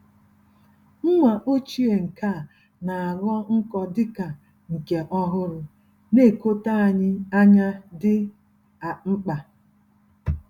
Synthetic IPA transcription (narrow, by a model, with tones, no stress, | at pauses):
ŋ̩˦ŋʷa˨ʔo˦t͡ʃi˦e˨ŋ̩˨ka˦˨ | na˨a˨ɣɔ˦ŋ̩˦kɔ˨dɪ˦ka˨ | ŋ̩˨ke˨ʔɔ˦ɦʊ˦ɾʊ˨ | ne˦˨ko˦ta˦a˨ɲɪ˦a˦ɲa˦dɪ˦ | a˨ŋ͡m̩˦k͡pa˨